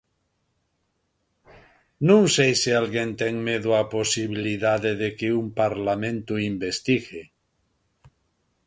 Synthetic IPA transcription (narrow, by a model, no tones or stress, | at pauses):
nũŋsejsialɣẽnt̪eŋmeðuaposiβ̞iliðaðeðekeumpaɾlamẽnt̪uimbest̪iɣe